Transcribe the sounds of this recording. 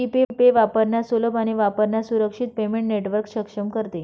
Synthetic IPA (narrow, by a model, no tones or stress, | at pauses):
ipepeʋapəɾɳjasoləbaɽ̃iʋapəɾɳjasuɾəkʂiːt̪̚pemẽɳʈneʈʋəɾkɕəkʂəmkəɾt̪e